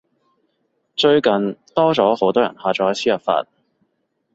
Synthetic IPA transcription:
t͡ʃɵ˧ɥkɐ˨nt̪ɔː˥t͡sɔː˨˥ho˨˥wt̪ɔː˥jɐ̰˨˩nhaː˨˧t͡sɔː˧˥ɐ˨˧sʰiː˥jɐ˨˩pfa̰ː˧t̚

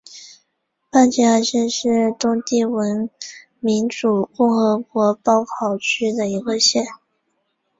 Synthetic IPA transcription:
pa˥˧nt͡ɕi˥˧a˥˧ɕjɛ˥˧nʂɻ̩˥˩t̪ʊ˥ŋt̪i˥˩wə˧˥n | mi˧˥nʈ͡ʂu˨˩kʊ˥˩ŋxɤ˧˥kwɔ˧˥pɑ˥ʊkʰɑ˥˩ʊt͡ɕʰy˥d̪ə˨i˧˥ɡə˧ɕjɛ˥˩n

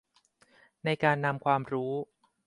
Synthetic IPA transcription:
na˧jkaː˧nːa˧mkʰwaː˧mɾuː˦˥

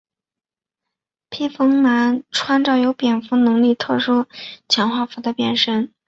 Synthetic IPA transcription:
pʰi˥fɤ˥ŋma˧˥nʈ͡ʂʰwa˥nʈ͡ʂɑ˥˩ʊjo˧˥ʊpjɛ˨˩nfu˧˥nɤ˧˥ŋli˥˧t̪ʰɤ˥˩ʂu˥t͡ɕʰjɑ˧˥ŋxwa˥˩fu˧˥d̪ə˧pjɛ̰˨˩nʂə˥n

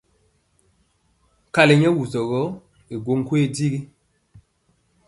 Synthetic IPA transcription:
ka˨le˨ɲɛ˦wu˨zɔ˨ɣɔ˦ | i˨ɡo˦ŋ˦kwe˦˨di˦ɡi˦

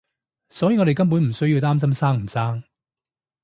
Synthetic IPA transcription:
sɔː˨˥jiː˨ŋɔ˨˧ɾe˨jkɐ˥mp̬uː˨˥nm̩˨˩sɵ˥ɥji˧wt̪aː˥ms̬ɐ˥msaː˥ŋm̩˨˩saː˥ŋ

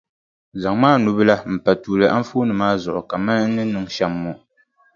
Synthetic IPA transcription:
za˨ŋmaː˦nu˦bɨ˦la˦m̩˨pa˨tuː˨lɨ˨ʔa˦ɱ̩˦fu˦nɨ˨maː˦zɔ˨ʔʊ̰˨ka˨ma˦n˦nːɨ˦nɨ˦ŋʃa˦mːɔ˨

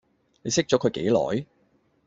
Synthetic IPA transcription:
ne˨˧jsɪ˥k̚t͡ʃɔː˨˥kʰɵ˨˧ɥkḛ˨˥jlɔ̰ː˨˥j

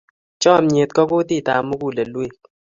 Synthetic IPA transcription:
t͡ʃɔ˦˨mɲe˨t̪̚kɔ˦kʊ˦ti˦˨ta˨mʊ˦ɡu˦˨le˨lwe˦˨k̚

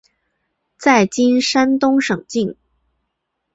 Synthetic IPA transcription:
t͡sa˥˩ɪt͡ɕi˥nʂa˥nt̪ʊ˥ŋʂɤ˨˩ŋt͡ɕi˥˩ŋ

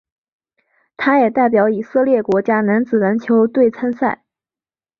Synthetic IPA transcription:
t̪ʰa˥jɛ˨˩t̪a˥˩ɪp̬jɑ˧˥ʊi˨˩sɤ˥˧ljɛ˥˩kwɔ˧˥t͡ɕja˥na˧˥nt͡sɹ̩˨˩na˧˥nt͡ɕʰjo˧˥ʊt̪we˥˩ɪt͡sʰa˥nsa̰˥˩ɪ

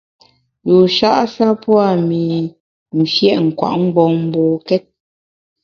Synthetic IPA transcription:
ju˨ʃa˦ʔsa˦pwa˦˨mi˨ | n̩˨fjɛ˦ʔŋ̩˨kwa̰˨ʔŋ͡m̩˦ɡ͡bɔ˨m̩˦bɔː˨kɛ˦t̚

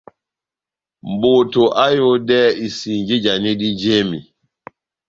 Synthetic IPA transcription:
mboː˨tɔ˨ʔa˦jɔ˦dɛː˦i˨si˨ɲd͡ʒe˦d͡ʒa˨ne˦ɗi˦d͡ʒeː˦mḭ˨

